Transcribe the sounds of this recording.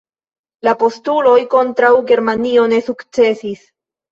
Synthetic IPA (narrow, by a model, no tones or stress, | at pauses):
lapo̞stulo̞jko̞ntɾawɡe̞ɾmanio̞ne̞sukt͡se̞sis